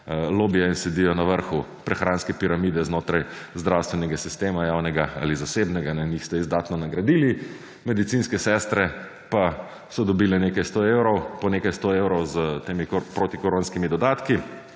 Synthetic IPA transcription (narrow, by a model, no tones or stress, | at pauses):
loːbijɛinsɛd̪ijɔnaʋəɾxupɾɛxɾaːnskɛpiɾamiːd̪ɛznoːt̪ɾajzd̪ɾawst̪ʋɛnɛɡasist̪eːmajaːwnɛɡaa̰ːlizaseːbnɛɡanɛnixst̪ɛizd̪aːt̪nɔnaɡɾad̪iːli | mɛd̪it̪sinskɛsɛst̪ɾɛ | pa | sɔd̪ɔbiːlɛneːkajst̪oewɾɔwpɔneːkajst̪oewɾɔwzt̪eːmipɾot̪ikɔɾoːnskimid̪ɔd̪aːt̪ki